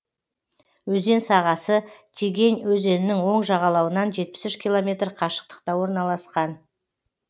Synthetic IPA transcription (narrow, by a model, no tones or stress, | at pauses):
wɵze̞nsɑʁɑsət̪ʲʰiɡʲe̞nwɵze̞nɪnɪŋwo̞ɴʒɑʁɑlˠɑwənɑnʒe̞t̪̚pɪ̥sʏʃkʲilˠomʲe̞t̪rqʰɑʃə̥q̚t̪ə̥qt̪ɑwo̞ɾnɑlˠɑsqɑn